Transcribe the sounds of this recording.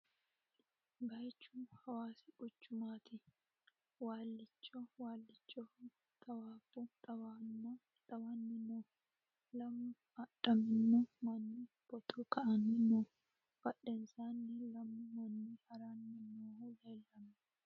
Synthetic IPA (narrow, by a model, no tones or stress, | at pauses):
bɐjt͡ʃːuhɐwaːsɪ̥ɡʊt͡ʃːʊmaːt̪ʰɪ | waːlːɪt͡ʃːɔwaːlːɪt͡ʃʼːɔ | t̪ʼɐwaːfut̪ʼɐwan | tɐwanːɪnoː | lɐmːʊ | ɐɗɐmɪnːɔmɐnːi | b̥ɔt̪ʰɔkɐʔɐnɪnɔ | fɐɗɛnsaːnːɪlɐmːʊmɐnːihɐɾaːnːɪɪnoːleːlːɐmɛ